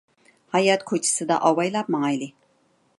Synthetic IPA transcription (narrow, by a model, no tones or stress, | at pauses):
hɑjɑt̪kʰot͡ʃʰɪ̥sɨd̪a̰ʔɑwɑjlˠɑp̚mɑŋɑjlɪ